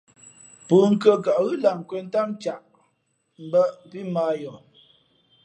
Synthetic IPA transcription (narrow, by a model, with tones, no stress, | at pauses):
pəː˨ŋ̩˦˨kə˦ka˨ʔɣɯ˦la˨ŋ˨kwe˦n˦ta˦mt͡ʃa˨ʔ | m̩˨˦bə˦ʔpi˦maː˦jɔ˨